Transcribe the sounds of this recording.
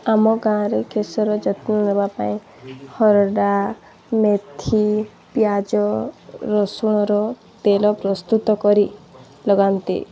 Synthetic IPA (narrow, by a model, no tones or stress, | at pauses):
amɔɡãɾekesɔɾɔd͡ʒɔt̪nɔnɔbapaĩ | hɔɾɔɖa | met̪ʰi | pjad͡ʒɔɾɔsuɽ̃ɔɾɔ | t̪elɔpɾɔst̪ut̪ɔkɔɾi | lɔɡant̪ḭ